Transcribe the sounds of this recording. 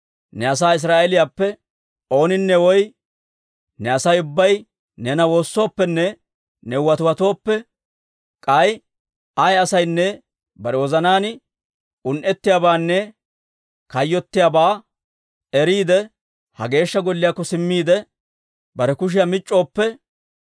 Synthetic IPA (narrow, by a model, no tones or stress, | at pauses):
nɛɐs̬aːɪs̬ɾaːʔɛlɪjaːpːɛ | o̞ːnɪnːɛwɔj | nɛɐsɐjʊbːɐj | nɛnɐwo̞ːsːo̞ːpːɛnːɛ | nɛwɐt̪ʊwɐt̪o̞ːpːɛ | kʼɐj | ɐjɐsɐjnːɛ | bɐɾɛwɔzɐnaːnɪ | ʊnʔɛt̪ːɪjaːbaːnːɛ | kɐjːɔt̪ːɪjabaː | ɛɾiːd̪ɛ | hɐ̰ɡe̞ːʃːɐɡɔlːɪjaːkːɔsɪmːiːd̪ɛ | bɐɾɛkʊʃ̬ɪjɐmɪt͡ʃʼːo̞ːpːɛ